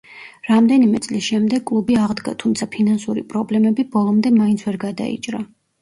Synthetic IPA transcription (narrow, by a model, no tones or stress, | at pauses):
ɾamd̪ɛnimɛt̪sʼlisʃɛmd̪ɛɡ̚kʼlˠubiaʁd̪ɡa̰t̪ʰumt̪sʰapʰinansuɾḭpʼɾɔblɛmɛbibɔlˠɔmd̪ɛmaint̪sʰvɛɾɡad̪a̰ḭt͡ʃʼɾa